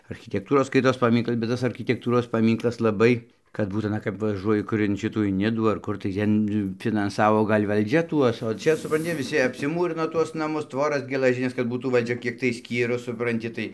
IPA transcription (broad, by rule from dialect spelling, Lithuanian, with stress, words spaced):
ɐrʲxʲɪtʲɛkˈtuːroːs ˈskɐɪtoːs pɐˈmʲiːŋklˠɐs bʲɛt ˈtɐs ɐrʲkʲɪtʲɛkˈtuːroːs pɐˈmʲiːŋklˠɐs lˠɐˈbɐɪ kɐt ˈbuːt ɐˈnɐ kɐp ʋɐˈʒuɔjɪ ˈkʊr ɪn ˈʃʲɪtuː ɪn ˈnʲɪduː ɐr ˈkʊr tɐɪ ˈtʲɛn fʲɪnɐnˈsɑːʋoː ˈɡɐlʲ ʋɐlʲˈd͡ʒʲɛ ˈtuɔs oː ˈt͡ʃʲɛ sʊprɐnʲˈtʲɪ ʋʲɪˈsʲɪ ɐpʲsʲɪˈmuːrʲɪnoː ˈtuɔs nɐˈmʊs ˈtʋoːrɐs ɡʲɛlˠɐˈʒʲɪnʲɛs kɐt ˈbuːtuː ʋɐlʲˈd͡ʒʲɛ ˈkʲiɛk tɐɪ ˈsʲkʲiːrʊs sʊprɐnʲˈtʲɪ tɐɪ